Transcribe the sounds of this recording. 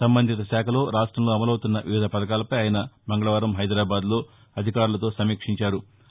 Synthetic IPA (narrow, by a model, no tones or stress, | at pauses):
sɐmbɐnd̪ʱit̪ɐʃaːkʰɐlo̞ːɾaːʂʈɾɐmlo̞ːɐmɐlɐwt̪unːɐʋiʋiːd̪ʱɐpɐd̪ɐkaːlɐpɐjaːjɐnɐmɐŋɡɐɭɐʋaːɾɐmɦɐjd̪ɾaːbaːd̪lo̞ː | ɐd̪ʱikaːɾulɐt̪o̞ːsɐmiːkʂiɲt͡ʃaːɾu